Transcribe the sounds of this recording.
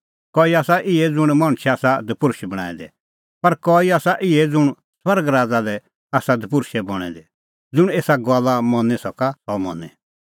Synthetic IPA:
kɔːiaːsaʔɪɛd͡zʊɽ̃mɐ̃ɽ̃t͡ʃʰɛaːsad̪əpʊɾʃɛbɐɽ̃a̰ːĩd̪ɛ̰ | pɐɾkɔiaːsaʔɪɛd͡zʊɽ̃ | swɐɾɡɾaːd͡zalɛ | aːsad̪əp̬ʊɾʃɛbɔɽ̃ɛ̰d̪ɛ | d͡zʊɽ̃eːsaɡaːlːamɔ̃nɛsɔkasɔmɔ̰̃nɛ

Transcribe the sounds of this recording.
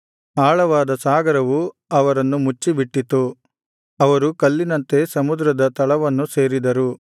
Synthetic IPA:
aːɭɐʋaːd̪ɐsaːɡɐɾɐʋu | ɐʋɐɾɐnːumut͡ʃːibiʈːit̪u | ɐʋɐɾukɐlːinɐnt̪e̞sɐmud̪ɾɐd̪ɐt̪ɐɭɐʋɐnːuse̞ːɾid̪ɐɾu

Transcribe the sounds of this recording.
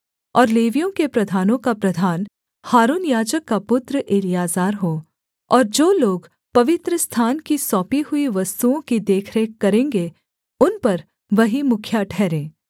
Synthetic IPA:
ɔːɾleːʋijõkepɾɐd̪ʱaːnõkapɾɐd̪ʱaːn | haːɾuːnjaːd͡ʒəkːapʊt̪ɾʔeːlijaːzaːɾɦoː | ɔːɾd͡ʒoːloːɡ | pɐʋɪt̪ɾəst̪ʰaːnkisɔ̃ːpiɦʊiʋɐst̪uõkid̪eːkʰɾeːkɐɾẽːŋɡe | ʊnpɐɾ | ʋɐɦimʊkʰjaʈʰɛːɾẽː

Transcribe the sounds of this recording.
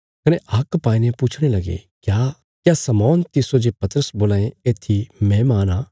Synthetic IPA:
kɐneʔaːkpaːinẽpuːt͡ʃʰɽ̃elɐɡḛkja | kjasɐmɔːnt̪ɪsod͡ʒepɐt̪əɾəsboːlaːẽeːt̪ʰimɛ̃maːnaː

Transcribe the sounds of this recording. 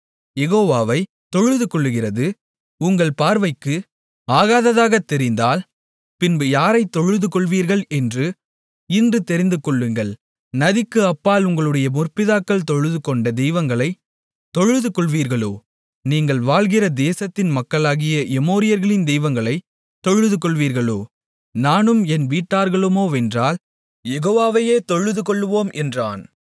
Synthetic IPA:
jɛɣoːʋaːʋɐɪ | t̪ɔɻɯðɯkɔɭːɯɣɪrɐðɯ | ʊŋɡɐɭpaːɾʋɐɪkːɯ | aːɣaːðɐðaːɣɐt̪ːɛɾɪnd̪aːl | pɪnbɯjaːɾɐɪt̪ːɔɻɯðɯkɔɭʋiːɾɣɐɭɛndrɯ | ɪndrɯt̪ɛɾɪnd̪ɯkɔɭːɯŋɡɐɭ | nɐðɪkːɯɐpːaːlʊŋɡɐɭɯɽɐjɐmʊrpɪðaːkːɐɭt̪ɔɻɯðɯkɔɳɖɐd̪ɛjʋɐŋɡɐɭɐɪ | t̪ɔɻɯðɯkɔɭʋiːɾɣɐɭoː | niːŋɡɐɭʋaːɭɣɪrɐd̪eːsɐt̪ːɪnmɐkːɐɭaːɣɪjɐɛmoːɾɪjɐɾɣɐɭɪnd̪ɛjʋɐŋɡɐɭɐɪ | t̪ːɔɻɯðɯkɔɭʋiːɾɣɐɭo̰ː | naːnɯmɛnʋiːʈːaːɾɣɐɭɯmoːɛndraːl | jɛɣoːʋaːʋɐjeːt̪ɔɻɯðɯkɔɭːɯʋoːmʔɛndra̰ːn

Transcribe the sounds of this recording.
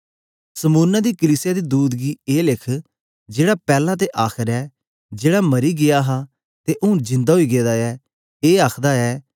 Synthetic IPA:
səmuːnad̪iːkəliːsɪjaːd̪iːd̪uːd̪ɡiːeːlɪkʰ | d͡ʒeːɽaːpɛːlãt̪̬eʔaːkʰəɾɛː | d͡ʒeːɽaməɾiɡɪjaːɦaː | t̪eʔʊ̃ːd͡ʒɪ̃nd̪aːɦoiːɡeːd̪aːɛː | eːaːkʰd̪aːɛː

